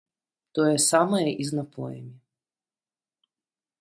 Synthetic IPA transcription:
t̪ɔjɛsamɐjɐʔiznapɔ̰jɐ̰mʲi

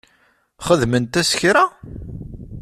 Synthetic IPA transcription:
χəðmənt̪æsçɾæ

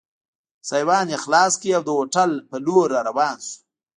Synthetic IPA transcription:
sajwɑːnjexlɑːskiawd̪əwoʈalpəloɾaɾawɑːnsu̥

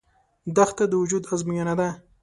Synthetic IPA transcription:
d̪axt̪ad̪əwʊd͡ʒud̪azmijanad̪a

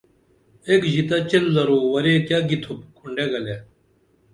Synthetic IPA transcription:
eːkʑit̪at͡ɕelzɐɾoːwɐɾeːkjaːɡit̪ʰup̚kʰuɳɖeːɡɐleː

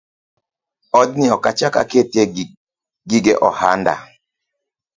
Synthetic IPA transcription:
ɔdniɔkat͡ʃaka̰kete | ɡiɡeʔɔha̰nda̰

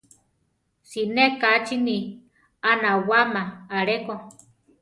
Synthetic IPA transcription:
sinekat͡ʃini | anawamaːɾeko

